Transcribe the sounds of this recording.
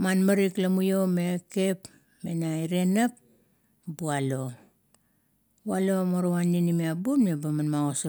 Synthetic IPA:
manmaɾiklamujo̞meke̞p | menaiɾe̞nap̚ | bualo̞ | bualo̞moɾowanːinimiabumnebamanmaɡos

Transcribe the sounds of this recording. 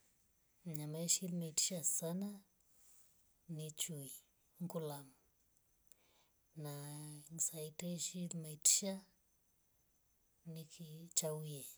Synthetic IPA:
ɲamaʃilmaiti̥ʃasana | nit͡ʃui | ŋkulam | naŋsaitɛʃilmaiti̥ʃa | nikit͡ʃawuje

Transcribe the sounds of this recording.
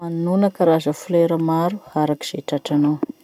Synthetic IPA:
anunəkaɾazəfuleɾəmaɾuaɾaki̥z̥eʈ͡ʂaʈ͡ʂanaw

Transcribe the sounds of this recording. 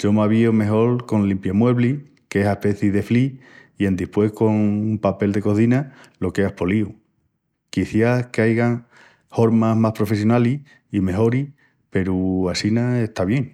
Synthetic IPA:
d͡ʒo̞maβiome̞ɦo̞lko̞ŋlimpjamwe̞βli | kesape̞θiðe̞fli | e̞nd̪ihpwe̞hko̞ŋumpape̞ld̪e̞ko̞θinalo̞ke̞ahpo̞liu | kiθjakeajɣaŋ | ho̞ɾmaɦmahpɾo̞fe̞s̬jo̞nali | ime̞ɦo̞ɾi | pe̞ɾuasinaeht̪aβje̞ŋ

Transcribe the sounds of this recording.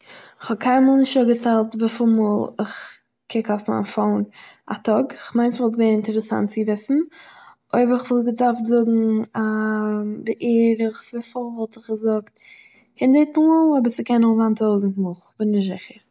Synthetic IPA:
ɪχhɔbkʰaɪnmuːlˠnɪʃtɔɡət͡sɛlˠtvɪfɪlˠmuːlˠɪ̰χ | kʰɪkofma̰ɪnfoʊna̰tɔɡɪχmaɪnsvɔlˠtɡaɪnɪntɛɾəsa̰ntt͡sɪvɪsn̩ʔoɪbəɾɪχvɪlˠtɡədaɾfzʊɡŋ̩a | bɪʔeːɾɪχvɪfɪlˠvɔlˠtɪχɡəzʊkt | kɛndetmuːlˠɔbəɾsəkɛnʊχzaːntʰoʊzn̩tmʊχbɪnnɪʃ̬ɪχəɾ

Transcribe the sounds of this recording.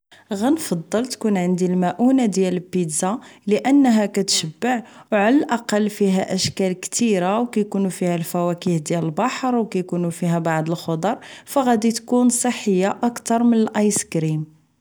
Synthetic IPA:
ɣænfɑd̪ˤːɑlt̪kunʕənd̪ilmæʔunad̪jæləpid̪zaləʔənːɦækæt̪ʃəbːəʕwʕalælʔɑqɑlːfiɦæʔəʃkælkt̪iɾawkæjkunufihælfæwækihd̪jæləlbɑħɾˤwkæjkunufiɦæbɑʕd̪ˤəlxod̪ˤɑɾˤfæɣæd̪it̪kunsˤəħːəjːaʔɑkt̪ɑɾˤmənəlʔɑjskɾim

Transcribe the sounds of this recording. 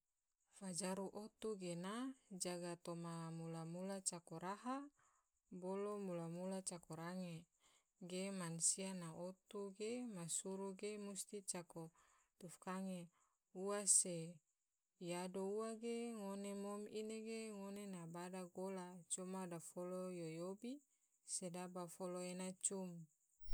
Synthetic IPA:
fad͡ʒaɾuʔot̪uɡenad͡ʒaɡat̪omamulamulat͡ʃakoɾaɦa | bolomulamulat͡ʃakoɾaŋe | ɡemansianaot̪uɡemasuɾuɡemust̪it͡ʃako | t̪ufkaŋe | uase | jadouwaɡeŋonemomineɡeŋonenabadaɡolat͡ʃumadafolojojobi | sedabafoloenat͡ʃum

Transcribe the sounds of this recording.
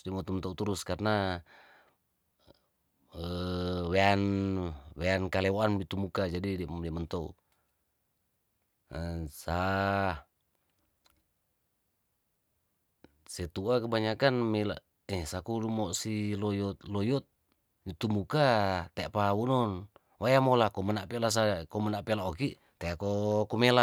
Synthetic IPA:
diamɔt̪umənt̪ɔut̪uɾuskarna | əwean | weankalɛoanbit̪umukad͡ʒadidiadiamənt̪ɔṵ | sa | sɛt̪uakəbaɲakanmela̰ | ɛsakulumɔʔsilɔjɔt̪lɔjɔt̪̚ | bit̪umukat̪eaʔpawunɔn | wajamolakɔmənaʔpelas̬akɔmənaʔpelaokiʔ | t̪eakokumela

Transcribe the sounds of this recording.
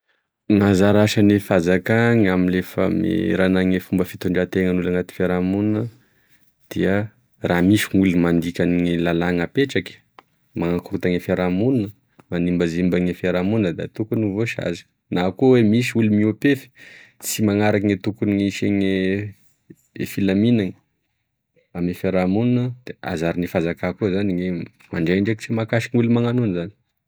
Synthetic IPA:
ŋazaɾaʃanefazakaŋaminlefə̰mḛɾanaŋefumbəfit̪uɳɖ͡ʐat̪eŋənulaŋat̪i̥feɾamunnə | d̪̥iə | ramiʃiŋulmand̪ikʲaniŋilalaŋəpeʈ͡ʂakə̥ | maŋakuɾut̪aŋefeɾamunnə | manimbəzimbaŋefeɾamunəd̪a̰t̪ukunivoʃa̰zi̥ | nakuwemis̬iulumiopefi̥t͡simaŋaɾakiŋet̪ukuniŋiʃeŋe | efilaminaŋə | amefeɾamununəd̪̥ea̰zaɾinifazakakuzaniŋe | maɳɖ͡ʐejɳɖ͡ʐeki̥t͡simakaʃi̥ŋulimaŋanunzani̥

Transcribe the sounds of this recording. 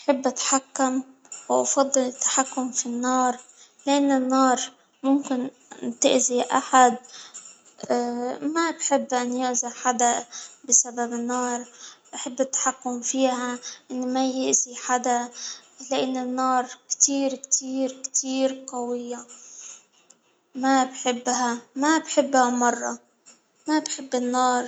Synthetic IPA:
ʔaħɪbːʔat̪ħakːam | wʔɑfɑd̪ˤːɨlɪt̪ːḁħakːʊmfinːɑːɾˤ | lɪʔanːɪnːɑːɾˤ | mʊmkɪn | t̪ɪʔziʔa̰ħad̪̚ | mabħɪbːʔanjʊʔzaħad̪abɪsababɪnːɑːɾˤʔaħabːɪt̪ːḁħakːʊmfiːhaʔɪnːmajɪʔziħad̪alaʔɪnːɪnːɑːɾˤkt̪iːɾkt̪ʰiːɾkt̪ʰiːɾqɑwɪjːa | mabħɪbːɦamabħɪbːhamɑrˤːɑ | mabħɪbːɪnːɑːɾˤ

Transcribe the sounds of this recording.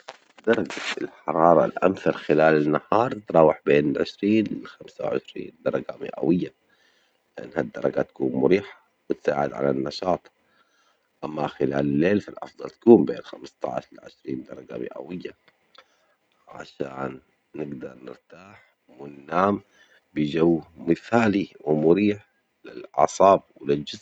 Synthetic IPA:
d̪ɑɾˤɑɡaɪlħɑɾˤɑːɾˤɑ̰lʔa̰mθɑɾˤxɪlaːlanːahɑːɾˤt̪ɾˤɑːwɪħbeːnɪlʕɪ̰ʃɾiːnlɪlxamsawʕɪ̰ʃɾḭːnd̪ɑɾˤɑɡamɪ̰ʔa̰wɪjːa | lɪʔa̰nːhad̪ːɑɾˤɑɡat̪ḁkuːnmʊɾiːħḁ | wɪt̪saːʕɪd̪ʕa̰lanːɑʃɑːt̪ˤ | ʔamːaxɪlaːlɪlːeːlfalʔɑ̰fd̪ˤɑlt̪ḁkuːmbḛːnxamst̪ɑ̰ʕʃɪlʕɪ̰ʃɾiːnd̪ɑɾˤɑɡamɪ̰ʔa̰wɪjːa | ʕa̰ʃaːnː | ɪɡd̪ɑɾˤnɪɾt̪aːħ | wɪnːaːm | bɪd͡ʒawːmɪθaːliwɪmʊɾiːħ | lɪlʕɑ̰sˤɑːb̚wɪlɪld͡ʒɪz

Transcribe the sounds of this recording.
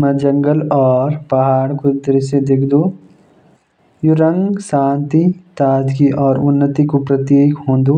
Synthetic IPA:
mɐd͡ʒɐ̃ŋɡəlɔːɾpɐɦaːɽkʊd̪əɾɪsed̪eːkʰd̪u | juɾə̃ŋɡsãːnt̪it̪aːd̪kiʔɔːɾʊnːət̪ikupɾət̪jeːkɦõːnd̪u

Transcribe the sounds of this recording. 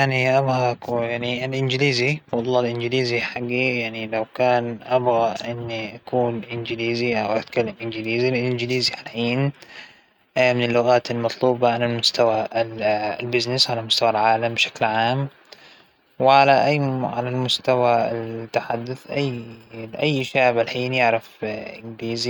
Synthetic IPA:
aʕniʔabɣaʔkjaʕniʔalʔɪnd͡ʒɪliːziwɑlˤːɑːlʔɪnd͡ʒɪliːziħaɡːijaʕnilawkaːnʔabɣaʔɪnːiʔakʰuːnʔɪnd͡ʒɪliːziʔawʔat̪kalːamʔɪnɡɪliːzilʔɪnd͡ʒɪliːziħalħiːn | mɪnɪlːʊɣaːt̪almɑt̪ˤluːbɑʔanalmʊst̪awa̰ | lbɪznɪsʕalamʊst̪awalʕaːlambɪʃḁklʕaːm | wɪʕalaʔaːʕalalmʊst̪awat̪ːaħad̪ːʊθʔajʔajːʃaːʕbɪlħiːnjɪʕɾɪfʔɪnɡliːzi

